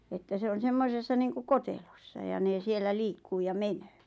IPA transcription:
etːæ se on semːosesːɑ niːŋkuk̆ kotelosːɑ jɑ neˑ sielːæ liːkːuː jɑ menøː

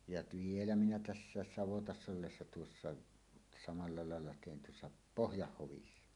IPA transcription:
jɑt ʋielæ minæ tæsːæːs sɑʋotɑsː olːesːɑ tuosːɑ sɑmɑlːɑ lɑˑelːɑ teˑin tuosːɑ pohjɑhːoʋisːɑ

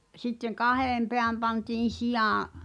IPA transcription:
sitːeŋ kɑheˑm peæm pɑntiːn̞ sijɑ̃ː

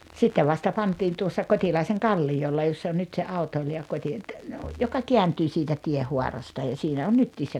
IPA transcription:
sitːeʋ ʋɑstɑ pɑntˑiːn tuosːɑ kotʲilɑiseŋ kɑlːijolːɑ josː on nyt se ɑutoiliɑ kotʲi jokɑ keæntyː sitæ tiehuɑrɑstɑ jɑ siːnæ on nytːiːs se

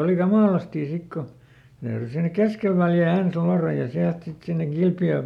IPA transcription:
oli kɑmɑˑlɑstiˑ sik ko ne tæyry sinek keskel ʋæljæˑ ens luɑrɑj jɑ siælt sit sinːeŋ kilpjøː

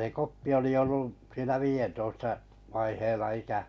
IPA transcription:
se kopːi oli olːuʔ siːnæ ʋiːjentoistɑ ʋɑiheilːɑ ikæ

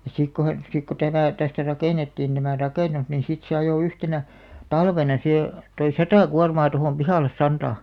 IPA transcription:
jɑ sik ko he sik ko tæmæˑ tæstæ rɑkeˑnetːiːn tæmæˑ rɑkeˑnus nin sit se ɑjoˑ yhtenæ tɑlʋenɑ sihe toi sɑtɑˑ kuɑrmɑː tohoˑm pihɑˑlːes sɑntɑˑ

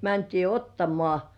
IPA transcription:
mæntiː otːɑmŏɑˑ

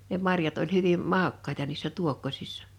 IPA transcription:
ne mɑrjɑt olʲ hyʋim mɑˑokːɑetɑ niːsːæ tuokːosi̥sːɑ̥

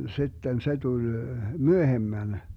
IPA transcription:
sitːen se tul myøhemːæn

